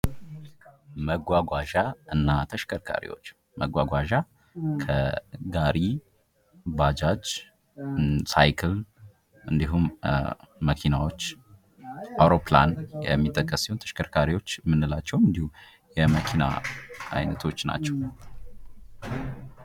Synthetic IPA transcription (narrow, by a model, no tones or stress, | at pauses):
məɡʷaɡʷaʒaɨnːat̪ʰəʃkʰəɾkʰa̰ɾḭwo̞̰t͡ʃː | məɡʷaɡʷaʒa | kʰəɡaɾʔi | bad͡ʒad͡ʒ | sajkʰɨl | ʔɨnd̪iɦumː | əkʰinawo̞t͡ʃː | ʔawɾopla̰njɛ̰mːit̪ʼːəkʼːəsɛwnt̪ʰə̥ʃkʰəɾkʰaɾiwo̞t͡ʃːmːɨnːɨlat͡ʃːɛwɨnd̪ihu | jɛməkʰina̰a̰jnət̪ʰo̞t͡ʃːna̰t͡ʃːɛw